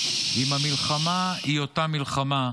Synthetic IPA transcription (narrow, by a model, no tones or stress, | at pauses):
imamilχamaiotamilχama